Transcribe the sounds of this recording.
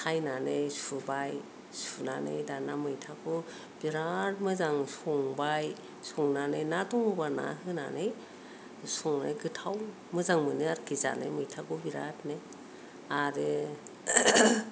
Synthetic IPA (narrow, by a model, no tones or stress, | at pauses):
kʰajnanejsubaj | sunanḛjdanamɯjtʰakʰɯ | b̥iɾat̚mɯzaŋsɔŋbaj | suŋnanɯjnatɔŋmɯbana̰ɦɯna̰nej | sɔŋna̰jɡɯtʰaw | mɯzaŋmɯnɯaɾkʰiza̰na̰jmɯjtʰakubiɾa̰tnej | aɾɯ